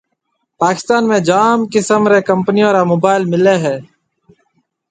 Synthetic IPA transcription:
paːkɪst̪aːnmẽːd͡ʒaːmkɪsəmɾeːkəmpnijõːɾaːmoːbaːɪlmɪleːɦɛː

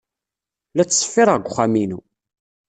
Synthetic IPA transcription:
læt͡sːsˤə̥fːiɾəʁɡʷʊχæminu

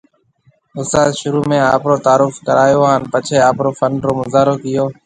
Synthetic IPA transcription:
ʊsaːzʃʊɾuːmẽːaːpɾoːt̪aːɾʊfkəɾaːjoːɦaːnpət͡ʃʰeːaːpɾoːfəɳɖɾoːmʊzaːɾoːkɪjoː

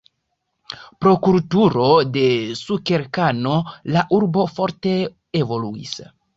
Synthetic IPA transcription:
pɾo̞kuɾtuɾo̞de̞sukeɾkano̞laʔuɾbo̞fo̞ɾte̞ | evo̞luḭs

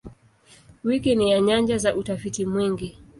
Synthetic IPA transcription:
wikinijaɲand͡ʒazaʔutafitimwiŋɡi

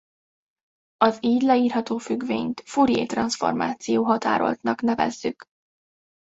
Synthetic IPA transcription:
ɒziːɟ̪lɛiːrɦɒt̪oːfyɡveːɲt̪fuɾjḛːt̪rɒnsfo̞̰rma̰ːt̪sijoːɦɒt̪a̰ːɾo̞̰lt̪nɒknɛvɛ̰zːyk

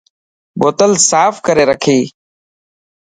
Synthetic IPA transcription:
boːt̪əlsaːfʰkəɾeːɾəkʰiː

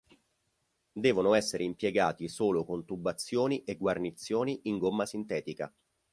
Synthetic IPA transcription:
d̪ɛːvonoɛsːeɾeimpjeɡaːt̪isoːlokont̪ubːat̪sːjoːniʔeɡwarnit̪sːjoːniiŋɡomːasint̪ɛːt̪ika̰

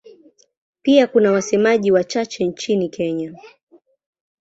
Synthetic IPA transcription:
piakunawasɛmaʄiwat͡ʃat͡ʃɛnt͡ʃinikɛɲa

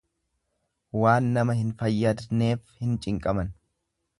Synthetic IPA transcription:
waːnːɐmɐhɪnfɐjːɐd̪ne̞ːfhɪnt͡ʃʼɪŋkʼɐmɐn

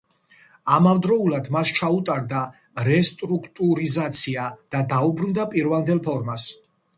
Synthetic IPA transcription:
amavd̪ɾɔulad̪mast͡ʃʰaut̪ʼaɾd̪a | ɾɛst̪ʼɾukʰt̪ʼuɾizat̪sʰiad̪̥ad̪aubɾund̪apʼiɾvalnd̪ɛlˠpʰɔɾmas

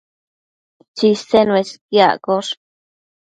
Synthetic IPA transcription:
t͡ʃist̪enweskja̰koʂ

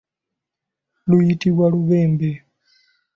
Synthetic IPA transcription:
luitiβwaɺuβɛːmbɛ

